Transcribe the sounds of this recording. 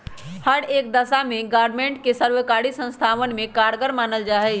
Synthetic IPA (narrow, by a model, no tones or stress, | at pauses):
həɾeːk̚d̪əsamẽɡaːɾɖmẽːɳʈ̚kesəɾwəkaːɽisə̃nst̪ʰaːʋənmẽkaːɽɡəɾmaːnəld͡ʒaːɦɛ